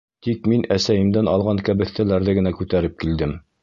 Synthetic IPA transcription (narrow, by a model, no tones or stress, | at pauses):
t̪ikminæsæjɘ̆md̪ænɑlˠʁɑŋkæbɘ̆θt̪ælæɾðɘɡɘ̆nækʉt̪æɾɘp̚kild̪ɘm